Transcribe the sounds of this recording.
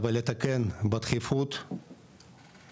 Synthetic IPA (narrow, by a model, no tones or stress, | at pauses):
valet̪akenbɐt̪χifut̪